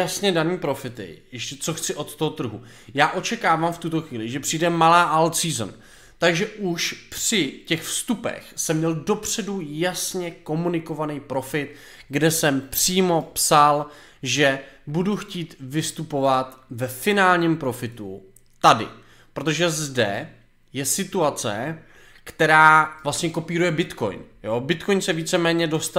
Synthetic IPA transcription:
jasɲɛdaniːpɾo̞fɪt̪ɪ̰jɛʃcɛt͡soxt͡sɪʔo̞t̪t̪oɦot̪r̩ɦu | jaːʔo̞t͡ʃɛkaːvamft̪ut̪o̞xviːlɪʒɛpr̝̥ijdɛmalaːʔalsiːzn | t̪aɡʒɛʔuʃpr̥ɪcɛxfst̪upɛ̰xsɛmɲɛldo̞pr̝̥ɛdujasɲɛko̞munɪko̞vanijpɾo̞fɪt̪ | ɡdɛsɛmpr̥iːmo̞psal | ʒɛbuduxciːt̪vɪst̪upo̞vat̪vɛfɪnaːlɲiːmpɾo̞fɪt̪ṵ | t̪adɪ̰ | pɾot̪o̞ʒɛzdɛ | jɛsɪt̪uat͡sɛ̰ | kt̪ɛɾaːvlast̪ɲɛko̞piːɾujɛbɪt̪ko̞̰jnjobɪt̪ko̞jnsɛviːt͡sɛmɛːɲɛdo̞st̪

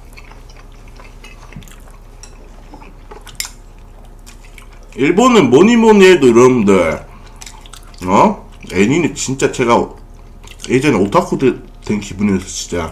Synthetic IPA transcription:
iɭbonɯnmoɲimoɲiedoɾʌmnde | ʌ | eɲinɯt͡ɕint͡ɕ͈at͡ɕeɡa | ed͡ʑʌniotʰakʰo | dwenkʰibunesʰʌɕ͈ʰi̥d͡ʑa

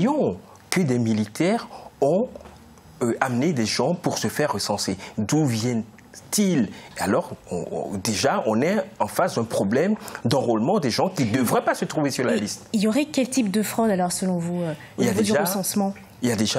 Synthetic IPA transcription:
jɔ̃ | kəd̪emilit̪ɛʁɔ̃ | øamned̪eʒɑ̃puʁsəfɛʁːəsɑ̃sed̪uvjɛ̃n | t̪ilalɔʁɔ̰̃d̪eʒaɔ̃nɛɑ̃fasd̪ɛ̃pχɔblɛmd̪ɑ̃ʁɔlmɑ̃d̪ɛʒɑ̃kʲid̪əvʁɛpasət̪χuvesyʁlalist̪iljɔʁɛkʲɛlt̪ip̚d̪əfχɔd̪alɔʁsəlɔ̃vuø | iljad̪edaʁəsɑ̃smɑ̃ | iljad̪eʒa

